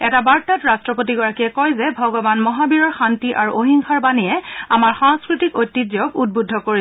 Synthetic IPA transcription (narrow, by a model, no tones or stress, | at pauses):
ɛtabaɹtatɹastɹɔpotiɡɔɹakiɛkɔjzɛbʱɔɡɔbanmɔɦabiɹɔɹxantiʔa̰ɹuʔoɦiŋxaɹbanijɛa̰maɹxaŋskɹitikojtːidjɔɡud̚budʱːɔkoɹi